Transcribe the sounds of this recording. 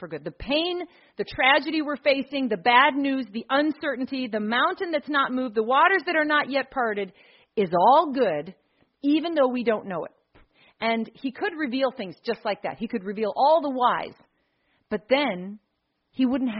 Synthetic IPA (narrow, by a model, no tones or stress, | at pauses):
fə˞ɡʊd̪̚ðɨpʰẽɪ̃n | ðɨtʰɹ̥æd͡ʒɨɾiwə˞feɪsɪ̃ŋðɨbædⁿnʉzðiʔʌ̃nsɜ˞ʔn̩tiðɨmãʊ̃ntɨ̃nðɨtsnət̚muvðəwɔɾə˞zðɨɾə˞nəʔjɛt̚pʰɑɹɾɨɾ | ɪzɔlˠɡʊɾ | ivɨ̃nðoʊwidõʊ̃nːoʊɨ̰t̚ | ʔɨ̃nikʰɨd̚ɹɨvilˠθɪ̃ŋzd͡ʒʌstˡlaɪk̚ðæ̰t̚hikɨd̚ɹɨvilˠʔɔlˠðəwaɪz̥ | b̥ʌt̪̚ðɨ̃n | iwʊdⁿn̩t̚ɦ